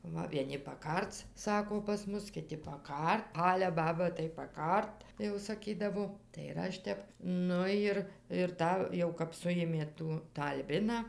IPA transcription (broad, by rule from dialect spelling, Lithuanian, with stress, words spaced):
ˈʋɐ ʋʲiɛˈnʲɪ pɐˈkɐrt͡s ˈsɑːkoː pɐs ˈmʊs kʲɪˈtʲɪ pɐˈkɐrt ˈɑːlʲɛ ˈbɑːbɐ tɐɪ pɐˈkɐrt jɛʊ sɐˈkʲiːdɐʋoː tɐɪ ɪr ˈɐʃ tʲɛp ˈnʊ jɪr ɪr ˈtɑː jɛʊ kɐp ˈsʊjeːmʲeː ˈtuː ˈtɑː ɐlʲˈbʲɪnɑː